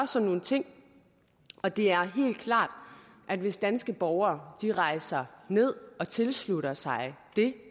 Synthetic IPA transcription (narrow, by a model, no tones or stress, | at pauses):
ɒsɒno̝ːn̩t͡sʰe̝ŋ̰ | ɒ̽d̥e̝æɐɦe̝̰ːld̥̚kʰlɑ̰̈ːd̥ | ʔæd̥ʋe̝sd̥ænsɡ̥əb̥ɒʊɐːd̥iʁɑ̈ɪsɐne̝ð̞̰ˠɒ̽t͡sʰe̝lsluɾɐsɑ̈ɪd̥e̝